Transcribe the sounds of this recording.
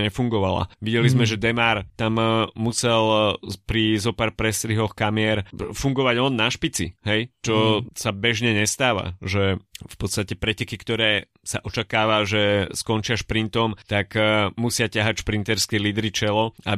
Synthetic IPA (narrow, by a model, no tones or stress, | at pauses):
ɲɛfuŋɡɔʋala̰ʋiɟɛlizmɛʒɛd̪ɛmaːɾt̪ammusɛlpɾizɔpaɾpɾɛst̪ɾiɦɔxkamɪɛɾfuŋɡɔʋaɟɔnːaʃpit͡sḭɦɛjt͡ʃɔsabɛʒɲɛɲɛst̪aːʋa̰ʒɛfpɔt̪st̪acɛpɾɛcɛkikt̪ɔɾɛː | saʔɔt͡ʃakaːʋaʒɛskɔnt͡ʃɪaʃpɾint̪ɔmt̪akmusɪacaɦacʃpɾint̪ɛɾskɛliːd̪ɾit͡ʃɛlɔa